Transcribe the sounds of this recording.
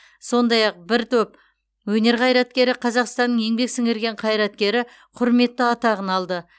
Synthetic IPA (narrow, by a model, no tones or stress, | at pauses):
so̞nd̪ɑjɑq̚bɪɾt̪ʰɵp̚ | wɵne̞ɾqʰɑjɾɑt̪kʲe̞ɾɪqʰɑzɑqst̪ɑnːəŋe̞ŋbe̞ksɪŋɪɾɡʲe̞ɴqʰɑjɾɑt̪kʲe̞ɾɪ | qʰʊɾme̞t̪ːəɑt̪ɑʁənɑlˠd̪ə